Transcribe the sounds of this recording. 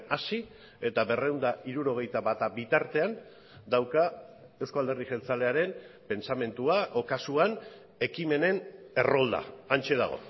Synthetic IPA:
asi | e̞t̪aβe̞rewnd̪aiɾuɾo̞ɣ̞e̞jt̪aβat̪abit̪aɾt̪e̞an | d̪awka | e̞wskoald̪erðixe̞nt͡sale̞aɾe̞mpe̞nt͡same̞nt̪uaʔokasuan | e̞kime̞ne̞ne̞ro̞ld̪a̰ant͡ʃe̞ða̰ɣ̞o̞̰

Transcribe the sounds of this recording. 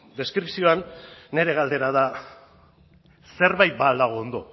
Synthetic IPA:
d̪e̞skɾipsio̞anːe̞ɾe̞ɣ̞ald̪e̞ɾaða | se̞ɾβajt̪̚bald̪aɣ̞o̞ːnd̪o̞

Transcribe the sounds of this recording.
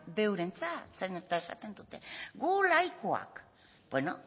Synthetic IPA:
be̞wɾe̞nt͡sasenet̪ae̞sa̰t̪e̞nd̪ut̪e̞̰ɡulajkoa̰k | b̥weno̰

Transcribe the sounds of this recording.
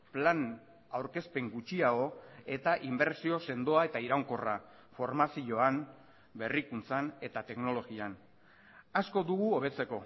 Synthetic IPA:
plan | awɾke̞spe̞ŋɡut͡ʃiaɣo̞e̞t̪aʔimbe̞ɾsio̞se̞nd̪o̞ae̞t̪aiɾawŋko̞ra | fo̞ɾmasio̞an | be̞rikunt͡sane̞t̪at̪e̞kno̞lo̞ɣian | asko̞d̪uɣ̞uo̞β̞e̞t͡se̞ko̞

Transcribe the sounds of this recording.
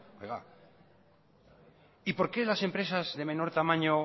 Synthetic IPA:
ḛɣa̰ | ipo̞ɾkelase̞mpɾe̞sazðe̞mẽ̞no̞ɾt̪amãɲo

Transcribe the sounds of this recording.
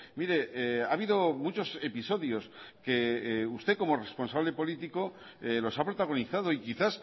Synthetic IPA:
miɾe̞ʔeaβ̞iðo̞mut͡ʃo̞se̞piso̞ðjo̞ske̞ust̪e̞ko̞mo̞re̞spo̞nsaβle̞po̞lit̪iko̞ | elo̞sapɾo̞t̪aɣ̞o̞niθað̞o̞ikiθas

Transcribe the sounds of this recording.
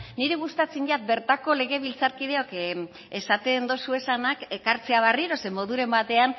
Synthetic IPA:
niɾeɣust̪at͡siɲɟat̪̚be̞ɾt̪ako̞le̞ɣe̞βilt͡saɾkiðe̞o̞k | e̞sat̪e̞nd̪o̞sue̞sanake̞kaɾt͡se̞aβ̞ariɾo̞se̞mo̞ðuɾe̞mbat̪e̞an

